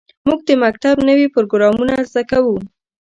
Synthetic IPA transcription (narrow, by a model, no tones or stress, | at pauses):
muɡ̚d̪əmakt̪abnəwipʊɾoɡɾɑmunazakawu